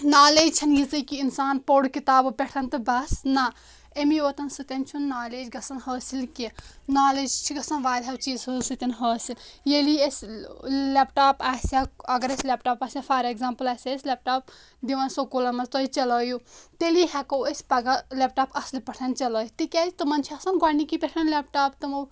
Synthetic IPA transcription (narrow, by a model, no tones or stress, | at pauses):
naːlet͡ʃʰɐnjit͡sɨkiːnsaːnpoɽkit̪aːbɨbʲeʈʰɐnt̪ɨbɐsna | emiʋɐt̪ɐnsɨt̪ʲɐnt͡ʃʰunːaːleːd͡ʒɡɐsɐnhəːsilkenaːleːd͡ʒt͡ʃʰiɡɐsɐnʋaːd̪ɦɐwt͡ʃiːzhɨsɨt̪ʲɐnɦəːsiljeliesʲ | lepʈaːpaːsʲaɐɡɐɾesʲlep̚ʈaːpaːsʲafʰaːɾeɡzaːmpɐlasʲaesʲlep̚ʈaːp | d̪iʋɐnsokolɐmɐst̪oit͡ʃɐlɐːjut̪eliɦɛkowesʲpɐɡalep̚ʈaːpɐslipɐʈʰɐnt͡ʃɐlɐːjut̪ikʲad͡ʒit̪ɨmɐnt͡ʃʰiɐsɐnɡanikipʲeʈʰɐnlep̚ʈaːpt̪ɨmow